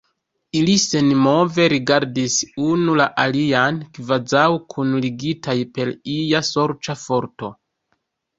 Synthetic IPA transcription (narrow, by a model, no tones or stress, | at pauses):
ilise̞nmo̞ve̞ɾiɡaɾdisunulaʔaliankvazawkʰunliɡitʰajpe̞lijaso̞ɾt͡ʃafo̞ɾto̞